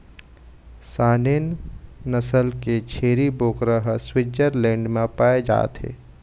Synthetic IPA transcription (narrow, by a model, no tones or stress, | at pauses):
saːnennəsəlket͡ʃʰeːɾiboːkɾəɦswɪd͡ʒəɾlẽːɳɖmẽpaːed͡ʒa̰ːt̪ɦḛː